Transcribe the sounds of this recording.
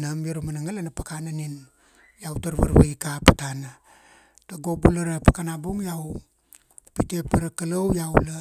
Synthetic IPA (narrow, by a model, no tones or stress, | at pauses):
namjoɾamanaŋalanapakananin | jawtaɾβa̰ɾβaikapatana | taɡo̞bulaɾapakanabuŋjaw | pite̞paɾakalowjawla